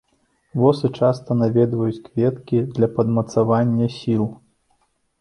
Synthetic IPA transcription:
vɔsɨt͡ʂast̪ɐnavʲɛd̪vɐjut͡sʲkvʲɛt̪kʲid̪lʲɐpɐd̪mɐt̪savanʲːɐsʲilˠ

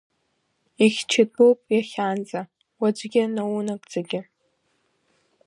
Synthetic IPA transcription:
iχʲt͡ʃʰɪtʼopʼjaχʲaːnd͡zʼa | wad͡ʒʷɡʲɪnawunakʼd͡zaɡʲɪ

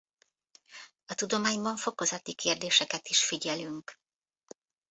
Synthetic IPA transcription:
ɒt̪ud̪o̞maːɲbɒɱfo̞ko̞zɒt̪ikeːrd̪eːʃɛkɛt̪iʃfiɟɛlyŋk

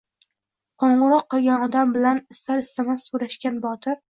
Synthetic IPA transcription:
qʰoɴʁʊɾɒqʰːɨlˠɡʲanɒd̪ambɪlanɪst̪aɾɪst̪amassuɾaʃkʲanbɒt̪ʰɪɾ

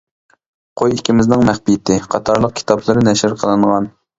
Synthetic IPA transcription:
qʰojikʲimɪznɪŋmæχpijt̪ʰɪqʰɑt̪ʰɑɾlˠəq̚kʲʰi̥t̪ʰɑplˠɨɾɨnɛʃɪɾqʰəlˠɨɴʁɑn

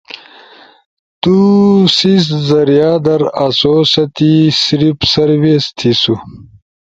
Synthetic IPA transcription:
t̪usiszɐɾijaːd̪ɐɾɐsoːsɐt̪isɾipsɐɾwist̪ʰisu

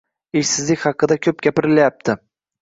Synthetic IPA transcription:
ɪʃsɪzlɪkʲχɑqɨd̪akʲʰɵp̚ɡʲapɪɾɪlajap̚t̪ʰɪ

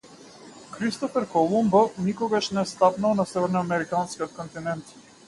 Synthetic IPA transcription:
kɾist̪ɔfɛɾkɔlˠumbanikɔɡaʃnɛst̪apnalˠnasɛvɛɾnɔamɛɾikanskiɔt̪̚kɔnt̪inɛnt̪

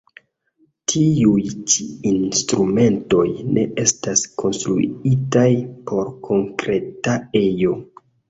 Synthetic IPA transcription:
tʰiujt͡ʃiinstɾume̞nto̞jnʔe̞ʔe̞staskʰo̞nstɾṵitajpʰo̞ɾkʰo̞ŋkɾe̞tae̞jo̞

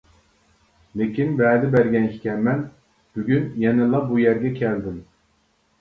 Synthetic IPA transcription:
lɪkʲinbɛd̪ɪbæɾɡʲɛnkʲʰi̥kʲʰɛnmɛn | b̥yɡʲynjɛnɪlˠɑbujæɾɡʲɛkʲʰɛld̪ɪm

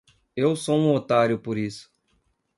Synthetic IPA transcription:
ewsoũot̪aɾjʊpoɾisʊ̥

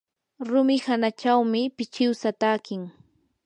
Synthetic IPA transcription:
ɾʊmɪhanat͡ʃawmɪpɪt͡ʃɪwsat̪aːkɪŋ

